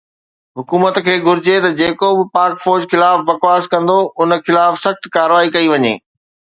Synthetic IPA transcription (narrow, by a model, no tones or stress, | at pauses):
ɦʊkuːmət̪kʰeːɡʱʊɾɪd͡ʑet̪ɐd͡ʑeːkobɪpaːkfɔːd͡ʑxɪlaːfbɐkwaːskɐ̃nd̪oʔʊnxɪlaːfsɐxt̪kaːɾʋaːikɐiʋɐɲḛː